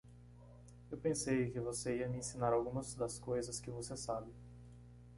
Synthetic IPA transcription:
ewpẽsejkɪvoseiɐmɪẽsĩnaɾawɡũmɐzd̪ɐskojzɐskɪvosesabɪ

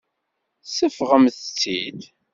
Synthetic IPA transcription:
səfʁəmθt͡sːid̪

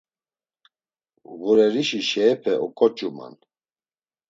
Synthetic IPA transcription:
ɣuɾɛɾiʃiʃɛːpʰɛʔɔkʼɔt͡ʃʼuma̰n

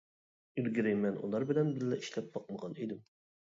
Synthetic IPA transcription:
yɾɡʲiɾɪmɛnʔṵlˠɑɾbɪlɛnbɪɾlɛiʃlɛp̚bɑq̚məʁɑnid̪ɪm

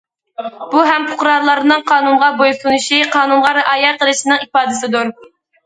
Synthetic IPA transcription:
b̥uɦɛmpʰʊ̥qɾɑɾlˠɑɾnɨŋqʰɑːnunʁɑbojsunuʃiqʰɑːnunʁɑɾɨʔɑːjɛqʰəlˠɨʃinɨŋipɑːd̪ɨsɪd̪uɾ

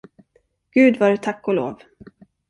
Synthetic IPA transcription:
ɡ̥ʉ̟ːd̪vaɾɛt̪ʰakːɔlo̰ːv

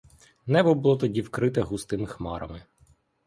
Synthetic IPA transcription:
nɛbɔbʊlˠɔt̪ɔdʲiwkɾɪt̪ɛɦust̪ɪmɪxmɑɾɐ̰mɪ

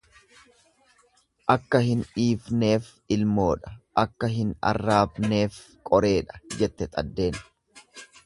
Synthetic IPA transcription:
ʔɐkːɐhɪnᶑiːfne̞ːf | ɪlmo̞ːᶑɐ̥ʔɐkːɐɦɪnɐ̰rːaːbne̞ːf | kʼɔɾe̞ːᶑɐ̥d͡ʒɛt̪ːɛt̪ʼɐ̰d̪ːe̞ːn

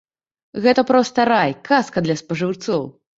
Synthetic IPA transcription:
ɣɛt̪ɐpɾɔst̪ɐɾajkʰaskɐd̪lʲɐspɐʐɨwt̪sɔw

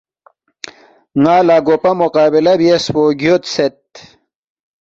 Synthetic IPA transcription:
ŋaːlaːɡopɐmoqaːbilɐbiespoːɡjot̪set̪̚

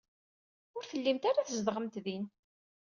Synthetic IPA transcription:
ʊɾθəlːimt̪aɾaθəzdðʁəmt̪ðin

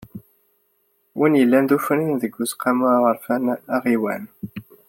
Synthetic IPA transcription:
wʔinjəlːænd̪ufəninðəɡʷːusqɑmʊʁəɾfænæʁiwæ̰n

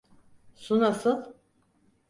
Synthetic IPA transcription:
sunasɯn

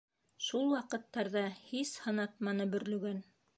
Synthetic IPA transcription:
ʃulˠwɑqɤ̆t̪ːɑɾðɑhishɤ̆nɑt̪̚mɑnɤbɵ̆ɾlɵ̆ɡæn

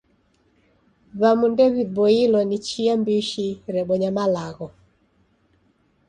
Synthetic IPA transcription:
βamundɛβiβɔilɔnit͡ʃiambiʃiɾɛɓɔɲamalaɣɔ

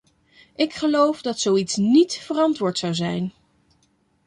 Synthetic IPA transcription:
ʔɪkχəlowfdɑtsowitsnitfərɑntʋʊːɹtsɑwzɛjn

